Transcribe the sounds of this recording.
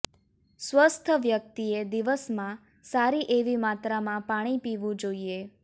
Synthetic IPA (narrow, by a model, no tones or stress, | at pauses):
sʋəst̪ʰəʋjək̚t̪ied̪iʋəsmã | saɾiʔeʋimãt̪ɾamãpaɽ̃ipiʋũd͡ʒoie